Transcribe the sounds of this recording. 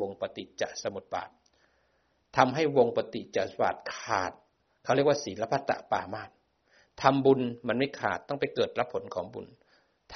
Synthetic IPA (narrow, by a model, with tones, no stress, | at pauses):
o˧ŋpa˧t̪i˨˩t͡ɕa̰˨˩ʔsa˧mu˨˩t̪̚ba̰ː˨˩t̪̚ | a˧mɦa˥˩jwo˧ŋpa˧t̪i˨˩t͡ɕa˨˩ʔbaː˨˩t̪̚kʰaː˨˩t̪̚ | kʰa˥˩ɾi˥˩ək̚waː˥˩siː˩˦la˦˥pʰa˦˥˩t̪ːa̰˧˩ʔpaː˧˩maː˥˩n | t̪ʰa˧mbu˧nma˧nma˥˩jkʰa̰ː˨˩t̪ːɔ˥˩ŋpa˧jkɤː˨˩t̪̚ɾa˦˥pʰo˩˦nkʰɔː˩˦ŋbṵ˧n | t̪ʰ